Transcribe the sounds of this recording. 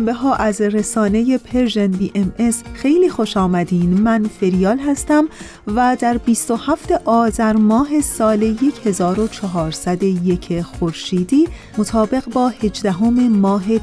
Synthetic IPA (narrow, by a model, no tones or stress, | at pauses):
mbeɦɒːʔæzresɒːne̞je̞pʰe̞ɾʒenbiːʔemesxe̞jliːxoʃɒːmæd̪iːnmænfe̞ɾijɒːlɦæst̪æm | væd̪æɾbiːst̪o̞hæft̪e̞ʔɒːzæɾmɒːɦe̞sɒːle̞je̞cʰhe̞zɒːɾo̞t͡ʃʰɒɦɒːɾsæd̪oje̞cʰexoɾʃiːd̪iː | mot̪ʰɒːbe̞ɣbɒːhe̞d͡ʒd̪æɦo̞me̞mɒːɦe̞